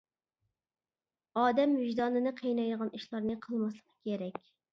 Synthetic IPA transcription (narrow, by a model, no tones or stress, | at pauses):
ɑːd̪ɛmvɪʒd̪ɑnɨnɨqʰejnɑjd̪əʁɑniʃlˠɑɾnɨqʰəlˠmɑslˠəqkʲʰːeɾɛkʲ